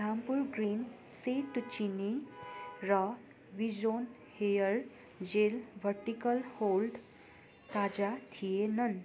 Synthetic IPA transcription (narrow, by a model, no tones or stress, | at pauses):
dʱãmpuɾɡɾin | set̪ut͡ɕini | ɾə | ʋid͡ʑon | hejəɾ | d͡ʑelʋəɾʈikəlholɖ | t̪ad͡ʑat̪ʰijenən